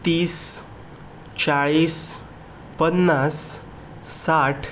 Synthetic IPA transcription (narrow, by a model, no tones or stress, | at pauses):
t̪iːs | t͡ɕaɭis | pənːasː | aʈʰ